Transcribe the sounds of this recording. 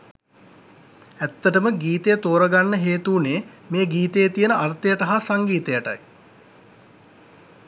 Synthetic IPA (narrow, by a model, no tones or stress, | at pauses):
æt̪ːəʈəməɡiːt̪ejət̪oːɾəɡanːəɦeːt̪uːneː | meːɡiːt̪ejət̪ijənəart̪əjəʈəɦasaŋɡiːt̪ejəʈa̰j